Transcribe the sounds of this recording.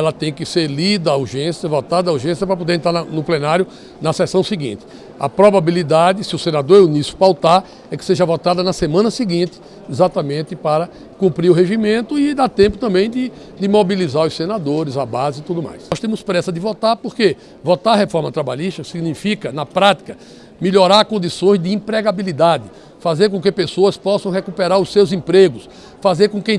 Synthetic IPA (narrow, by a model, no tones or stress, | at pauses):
ɛlɐt̪ẽj̃kɪseɾlid̪ɐːuɾʒẽsiɐvɔt̪ad̪ɐuɾʒẽsjɐpɾɐpod̪eɾẽnt̪ɾaɾnɐnʊplenaɾjʊ | nɐsɛsɐ̃w̃siɡḭ̃nt̪ɪ̥ | ɐ̰pɾɔbabilid̪ad̪ɪsɪʊsenad̪oɾunisʊ̥pawt̪aɾ | ɛkɪ̥seʒɐvɔt̪ad̪ɐnɐsemɐ̃nɐsiɡĩnt̪ɪ̥ | izat̪ɐmẽnt̪ɪpaɾɐ | kũmpɾiɾʊɦeʒimẽnt̪ʊɪd̪at̪ẽmpʊt̪ɐ̃mbẽj̃d̪ɪ | d̪ɪmobilizaɾʊsenad̪oɾɪzɐbazɪit̪ud̪ʊma̰jsɔst̪ẽmʊspɾɛsɐd̪ɪvɔt̪aɾpoɾke | vɔt̪aɾɐɦefɔɾmɐt̪ɾaba̰ʎiʃt̪ɐksiɡnifikɐnɐpɾat̪i̥kɐ | miʎɔɾaɾkõnd̪isõj̃zd̪ɪĩpɾɛɡabilid̪ad̪ɪ | fazeɾkõkɪpesoɐspɔsɐ̃w̃ɦekupɛɾaɾʊsewzĩpɾeɡʊs | fazeɾkõkẽj̃